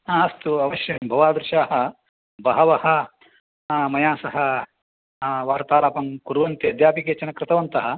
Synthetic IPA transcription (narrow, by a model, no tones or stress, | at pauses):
ãːɐst̪uɐʋɐʃjɐɦɐmbʱɐʋaːd̪ɾɪʃaːɦɐ | bɐɦɐʋɐhɐ̆ | mɐjaːsɐɦɐ | ʋaːɾt̪aːɾaːpɐmkuɾʋɐnt̪iɐd̪jaːpikeːt͡ʃɐnɐkɾɪt̪ɐʋɐnt̪ɐɦɐ